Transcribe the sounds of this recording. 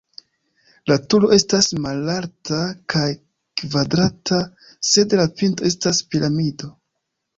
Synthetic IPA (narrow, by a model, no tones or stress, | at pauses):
latulo̞ʔe̞stasmalaɾtakʰaj | kvadɾata | se̞dlapinto̞e̞staspiɾʔamido